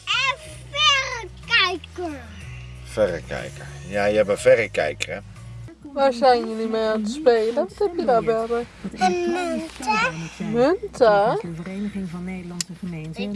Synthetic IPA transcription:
ɛ | fɛrəkɛjkə | fɛrəkɛ̰jkəjaːjəɛbəvɛrəkɛ̰jkərə | ʋasajnjənimeantəspejləʋɔthɛpjədabɛrə | nmøntʰaəvərejnəχɪŋvɑnːejdəlɑnsəχəmenz

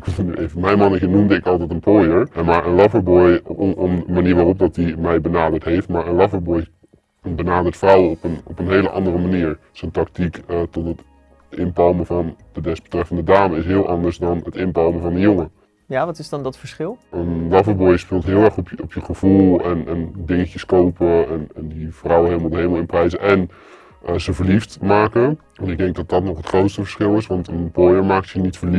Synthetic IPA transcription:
knyʔejvəmɛjnmɑnɪkənumdəɪkɑlˠtɛjtənpojəɹmaːɹənlɑfəɹbɔjɔməmaniːɹʋaːrɔp̚dɑt̚dimɛjbənaːdəɹtɦejftmaːɹənlɑfəɹbɔj | əbənaːdəɹtfrɑwəɔpənɔ̰pənɦejləʔɑ̰ndərəmaniːɹsəntɑktikətɔtɦət | ɪnpɑlˠməvɑndədɛsb̥ətrɛfəndədaːməɪsɦɪːlˠʔɑndəɹsdɑnɦətɪnpɑlˠməvɑndəjʊŋə | jaːʋɑtɪzdɑndɔtfəɹsχɪlˠəndɑvəbojəspɪlˠtɦɪːlˠɛɹχɔpɔpjəχəv̥ulˠɛnɛndɪŋəcəskowpəɛnɛndiv̥rɑwəɦeləmalˠəɦejləməlˠɪnprɛjzəʔɛn | zəvəɹliftmaːkə | ɛnɪɡ̚dɛŋɡ̚dɑt̚dɑtnɔχətχrowtstəvəɹsχɪlˠɪsʋɑntənbojəɹmaːk̚tjənitfəɹli

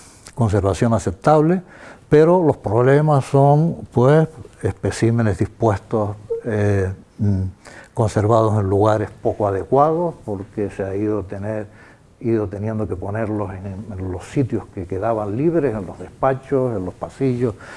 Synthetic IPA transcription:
ko̞ns̬e̞ɾβasjo̞ŋase̞p̚t̪aβlepeɾo̞lo̞spɾo̞βlemassoŋpwesespesimenezðispwe̞st̪ose | ko̞nse̞ɾβað̞ose̞nluɣaɾe̞spo̞koaðe̞kwaðospo̞ɾkeseaiðot̪eneɾ | iðot̪e̞njend̪o̞ke̞po̞ne̞ɾloseŋenlo̞ssit̪jo̞ske̞ke̞ðaβanliβɾese̞nlo̞zðe̞spat͡ʃose̞nlospasiʎos

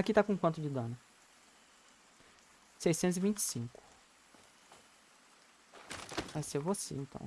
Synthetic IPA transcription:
akit̪akõkwɐ̃nt̪ʊd͡ʒɪd̪ɐ̃nɐ | sejsẽnt̪zɪvĩnt͡ʃɪ̥sĩŋkʊ̥ | vajsevosḛẽt̪ɐ̰̃w̃

